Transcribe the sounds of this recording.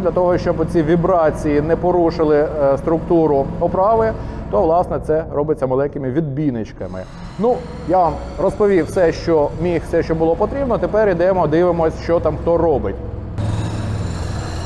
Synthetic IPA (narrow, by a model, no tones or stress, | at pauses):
dlʲɐt̪ɔɦɔʃt͡ʃɔbʊt͡sʲiʋʲibɾɑt͡sʲijinɛpɔɾuʃɪlˠɪst̪ɾʊkt̪uɾʊɔpɾɑʋɪt̪ɔʋlˠɑsnɛt̪sɛɾɔbɪt͡sʲːɐmɐlˠɛkɪmɪʋʲid̪̚bʲinɪt͡ʃkɐmɪ̰ | nu | jaʋam | rɔspɔʋʲiwsɛʃt͡ʃɔmʲixfsɛʃt͡ʃɔbʊlˠɔpɔt̪ɾʲibnɔt̪epɛɾid̪ɛmɔd̪ɪʋɪmɔsʲʃt͡ʃɔt̪ɑmxt̪ɔrɔbɪtʲ